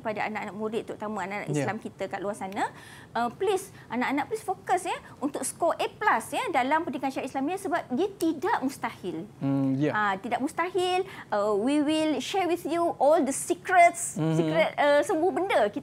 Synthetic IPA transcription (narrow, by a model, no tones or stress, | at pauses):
padaa̰naʔanaʔmũɾɪt̪̚ːuɾut̪amãanaʔna̰ʔislamkit̪akaʔluasanã | ʔəplis | ʔanaʔanãʔplisfokəsɲə | unt̪ʊk̚skoʔeplasɲədalampəndikanʃaɾaʔislamɲasəbap̚diət̪idaʔmũst̪ahɪl | at̪idaʔmust̪ahilʔəwiwilʃɛɹwiθjuʔɔld̪əsikɾət̪̚ssikɾət̪̚əsəmbʊhbəndaki